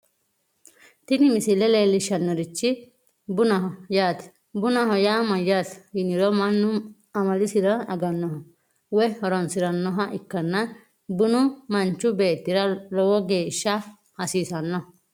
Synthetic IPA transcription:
t̪ɪnɪmɪsɪlɛleːlːɪʃːɐnːɔɾɪt͡ʃːɪ | bʊnɐɦɔjaːt̪ɛ̥ | bʊnɐɦɔjaːmɐjːashɪnɪɾɔmɐnːʊ | ɐmɐlɪsɪɾɐɐɡɐnːɔɦɐ | wɛhɔɾɔnsɪɾɐnːɔɦɐʔɪkːɐnːɐ | bʊnʊmɐnt͡ʃːʊbeːt̪ːɪɾɐlɔwɔɡeːʃːɐ | hɐsiːsɐnːɔ

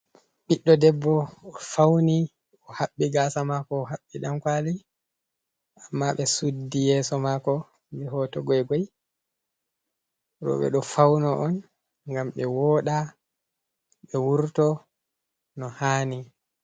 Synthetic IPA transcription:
ɓiɗːɔdɛbːɔɔfawni | ɔhaɓːiɡasamakɔːɦaɓːiɗamkwali | amːaɓɛsudːijɛːsɔmakɔ | bɛɦɔtɔɡɔɛɡɔj | ɾɔ̰ɓɛ̰ɗɔfawnɔʔɔn | ŋɡamɓɛwɔːɗa | ɓɛwuɾtɔ | nɔhaːni

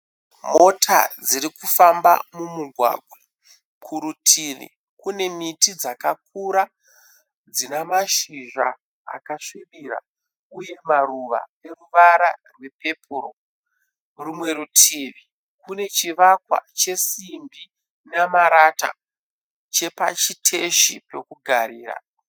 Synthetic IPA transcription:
mo̞tʰa̰d͡ziɾikufamba̰mumuɡʱwa̰ːɡʱwa | kʰuɾutʰirḭ | kune̞mitid͡zakak̚uɾa | d͡zinamaʃiʒa | a̰kaʂiʋiɾa̰ | uje̞maruʋa̰e̞ruʋaɾarwe̞pe̞pʰuɾo | rumwe̞ɾutʰiːʋi | kune̞t͡ʃiʋakwa̰t͡ʃe̞simbi | namaɾata̰ | t͡ʃe̞pa̰t͡ʃitʰe̞ʃipe̞kuɡʱaɾiːra̰

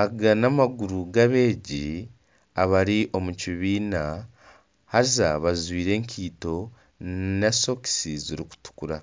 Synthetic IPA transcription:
aɡanamaɡuɾuɡaβe̞ːɟi | aβaɾiʔo̞muciβiːna | haɾizaβazwiːɾe̞ːŋkʰiːto̞ | neso̞ki̥siziɾiku̥tu̥kuɾa

